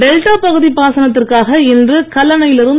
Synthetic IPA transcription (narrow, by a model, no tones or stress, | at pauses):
ɛlʈaːpɐɣɯðipaːsɐnɐt̪ːɪrkaːɣɐɛndrɯkɐlːɐnɐjɪlɪɾɯn